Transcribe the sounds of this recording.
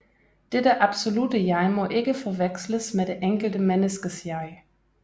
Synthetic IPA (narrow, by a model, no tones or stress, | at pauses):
d̥edəʔɑb̥so̝ludəjɑ̈ɪmɔ̽ʔe̝ɡ̥əfɒʋeɡ̥sləsmed̥eʔeŋɡ̥l̩d̥əmenəsɡ̥əsjɑɪ